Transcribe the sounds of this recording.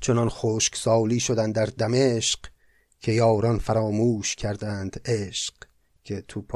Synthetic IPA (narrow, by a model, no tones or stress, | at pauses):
t͡ʃʰo̞nɒnxoːʃksɒːliːʃod̪ænd̪æɾd̪æmeʃq | kʲʰe̞jɒːɾɒnfæɾɒːmuːʃcʰæɾd̪ænd̪̥eʃq | kʰe̞t̪ʰupʰ